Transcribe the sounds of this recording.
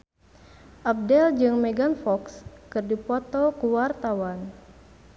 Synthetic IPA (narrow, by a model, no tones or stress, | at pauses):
ʔap̚dɛld͡ʒɨŋmɛɡanfɔkskɨrdipɔt̪ɔkuwart̪awan